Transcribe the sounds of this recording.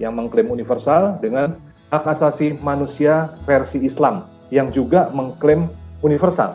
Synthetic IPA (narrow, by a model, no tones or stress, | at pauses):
jaŋməŋklɪmunifərsaldəŋan | akasasimanusiafɛrsiːslam | jaŋd͡ʒuɡaməŋklɪmunifərsa̰l